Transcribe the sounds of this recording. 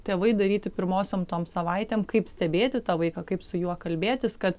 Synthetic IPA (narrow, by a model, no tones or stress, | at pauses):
t̪ʲeːʋɐɪd̪ɐɾʲiːt̪ʲɪpʲɪɾmoːsʲoːmt̪oːmsɐʋɐɪt̪ʲeːmkɐɪpsʲt̪ʲɛbʲeːt̪ʲɪt̪ɑːʋɐɪkɐkɐɪpsʊjuɔkɐlʲbʲeːt̪ʲɪskɐt̪